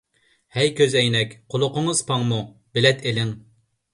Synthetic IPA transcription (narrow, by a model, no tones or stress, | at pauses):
hɛjkʲʰøzɛjnɛkʲqʰolˠʊqʊŋəz̥pʰɑŋmubɪlɛt̪ʰelɪŋ